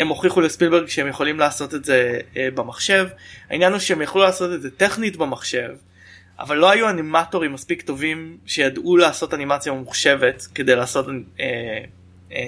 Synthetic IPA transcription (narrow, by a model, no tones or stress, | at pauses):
e̞mo̞χiχulespilbeʁɡʃeemjeχo̞limlaːso̞tetze̞bemaχʃe̞vha̰injanuʃeemjaχlulaːso̞tetzete̞χnitbemaχʃe̞v | ʔa̰valːo̞ajuanimatoʁimːaspikto̞vimʃejadulaːso̞tanimat͡sjamemuχʃe̞ve̞tke̞dejlaːso̞te